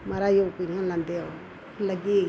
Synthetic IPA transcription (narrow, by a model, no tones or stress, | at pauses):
maɾajokuɲãland̪eo | laɡi